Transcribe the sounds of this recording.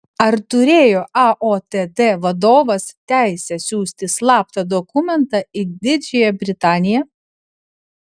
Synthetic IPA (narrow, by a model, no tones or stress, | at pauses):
ɐɾt̪ʊɾʲeːjoːʔɑʔoːt̪ʲed̪eʋɐd̪oːʋɐst̪ʲæˑɪsʲɛsʲuːsʲt̪ʲɪslˠɑːp̚t̪ɐd̪ɔkʊmʲɛnt̪ɑɪd̪ʲɪd͡ʒʲejɛbʲɾʲɪt̪ɑːnʲɪjɛ